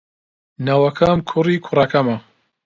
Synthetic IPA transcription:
nɐwɐkʰɐmkʰʊriːkʰʊrɐkɐmɐ

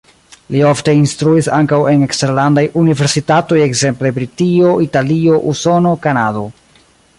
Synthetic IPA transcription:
lio̞fte̞instɾuisaŋkawe̞neksteɾlandajʔunive̞ɾsitato̞je̞kze̞mple̞bɾitio̞italio̞ʔuso̞no̞kanado̞

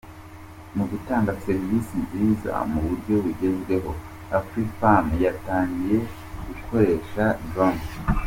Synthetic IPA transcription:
muɡutaːŋɡase̞ɾivisinziːza̰muβuɾɟo̞βiɟe̞zɡe̞ɦo̞ | afɾifamjataːɲɡije̞ | ɡuko̞ɾe̞ʃadɾam

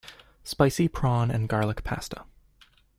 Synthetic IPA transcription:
spaɪsipʰɹ̥ɑ̃nɨ̰̃nɡɑɹlˠəkpʰæ̰stə̥

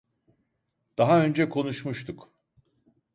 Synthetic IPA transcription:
d̪̥aɦaø̞nd͡ʒɛkʰo̞nuʃmuʃt̪ʰuk

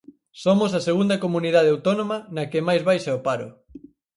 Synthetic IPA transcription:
somos̬ɐseɣund̪ɐkomuniðað̞eawt̪onõmɐnɐkemajzβajʃaopaɾʊ̰

